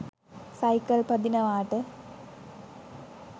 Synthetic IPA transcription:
sɐjkɐlpɐd̪inɐʋaːʈɨ

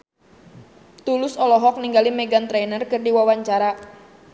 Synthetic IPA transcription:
t̪ulʊsɔlɔɦɔk̚niŋɡalimɛɡant̪ɾɛnərkɨrdiwawaɲt͡ʃaɾa

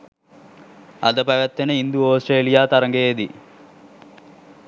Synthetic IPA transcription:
ɐ̰d̪əpæʋæt̪ːenəind̪uoːsʈreːlijaːt̪ɐɾəŋɡeːd̪i

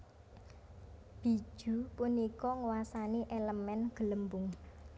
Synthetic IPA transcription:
b̥i̤̥ʒ̥ṳpunikɔŋwasaniʔeləmɛnɡ̥ələmbʊŋ

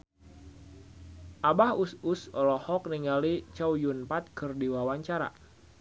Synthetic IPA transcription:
ʔabahusʊsɔlɔhɔk̚niŋɡalit͡ʃawjunpat̪̚kɨrdiwawaɲt͡ʃaɾa̰

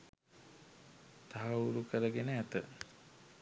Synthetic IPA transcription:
t̪aɦɐuɾukəɾəɡenəæt̪ə

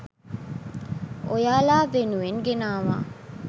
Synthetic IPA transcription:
ojaːlaːʋenuʋeŋɡenaːʋa̰ː

